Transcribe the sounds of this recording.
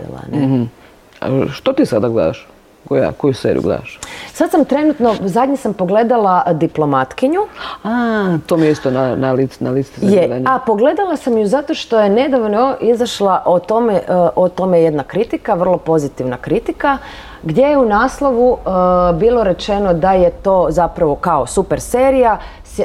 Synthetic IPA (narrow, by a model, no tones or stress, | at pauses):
ḛla̰ne | a̰ʃt̪ot̪isad̪aɡlḛd̪a̰ʃ | koja̰kojusḛːɾḭj̰ṵɡlḛd̪aʃsad̪samt̪ɾe̞nut̪no̞zad̪ɲesampo̞ɡle̞d̪alad̪iplo̞mat̪kiɲuat̪omijeist̪onanalit̪snalist̪ezjeaɲapo̞ɡle̞d̪alˠasamjuzat̪o̞ʃt̪o̞je̞ne̞d̪aʋnoʔizaʃlˠaʔot̪o̞meʔʔot̪o̞mejed̪nakɾit̪ikaʋr̩lˠo̞po̞zit̪iʋnakɾit̪ika | ɡd̪je̞jeunaːslˠo̞ʋubiːlˠo̞ɾe̞t͡ʃe̞no̞d̪ajet̪o̞ːzapɾaʋo̞kao̞supeɾseːɾija | s